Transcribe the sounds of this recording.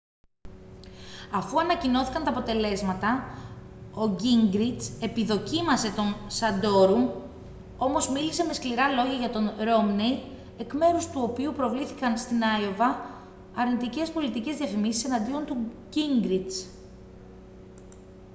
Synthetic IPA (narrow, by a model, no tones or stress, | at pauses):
ɐfuɐnɐcino̞θi̥kɐnt̪ɐːpo̞t̪e̞le̞zmɐt̪ɐ | o̞ɟiŋɡɾit͡se̞piðo̞cimɐse̞t̪o̞nsɐd̪o̞ɾu | o̞mo̞zmilise̞me̞skliɾɐlo̞ʝɐʝɐt̪o̞nɾo̞mnej | e̞kme̞ɾust̪uo̞piupɾo̞vliθikɐnst̪inɐjo̞vɐː | ɾnit̪ice̞spo̞lit̪ice̞zðiɐfimisi̥se̞nɐnd̪io̞nt̪uɟiŋɡɾit͡s